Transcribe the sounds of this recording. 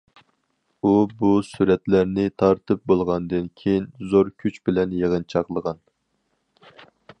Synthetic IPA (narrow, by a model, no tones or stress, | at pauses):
ubusuɾɛt̪læɾnɪt̪ʰɑɾt̪ʰɨp̚bolˠʁɑnd̪ɨnkʲʰejinzoɾkʲʰyt͡ʃbɪlɛnjeʁənt͡ʃʰɑqlˠəʁɑn